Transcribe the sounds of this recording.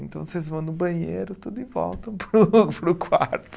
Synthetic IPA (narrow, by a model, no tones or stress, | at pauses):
ẽnt̪ɐ̃w̃sezvɐ̃w̃nʊbɐ̃ɲejɾʊt̪ud̪ivɔ̰lˠt̪ɐ̃w̃pɾupɾʊkʰwaɾt̪ʊ̥